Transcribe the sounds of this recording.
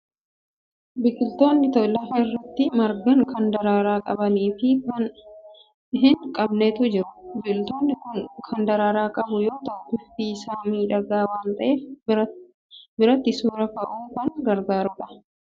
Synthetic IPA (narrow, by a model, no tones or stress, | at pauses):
bɪkʼɪlt̪o̞ːnːɪt̪ɔlɐfɐɪrːɐt̪ːɪmɐɾɡɐŋkʰɐnd̪ɐɾaːɾaːkʼɐbɐniːfɪkɐn | ɦɪŋkʼɐbnet̪ʊd͡ʒɪɾʊ̥bɪkʊlt̪o̞ːnːɪkʊnkʰɐnd̪ɐɾaːɾaːkʼɐbʊjo̞ːt̪ɐʔʊt̪ːɪfisaːniːᶑɐɡaːwaːnt̪ɐʔe | bɪɾɐt̪ːɪsuːɾɐkɐʔuːkɐŋɡɐɾɡaːɾʊᶑɐ̥